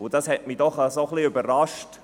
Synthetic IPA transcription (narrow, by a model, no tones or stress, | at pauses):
ʊd̥ɑshɛtmiːdɔχasoχliʏbəɾrɑʃt